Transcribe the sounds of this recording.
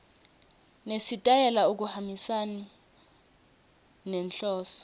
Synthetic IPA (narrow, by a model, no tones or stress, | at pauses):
nesitʼajɛlauk̬uhambisani | nɛnɬɔːsɔ̥